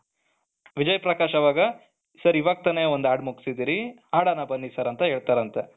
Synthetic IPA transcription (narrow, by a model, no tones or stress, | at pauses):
ʋid͡ʒɐjɐpɾɐkaːʃaʋaːɡɐ | sɐɾiʋaːk̚t̪ɐneond̪aːɖmuksid̪iːɾi | aːɽɐnːɐbɐnːisɐɾɐnt̪ɐɦeːɭt̪aɾɐnt̪e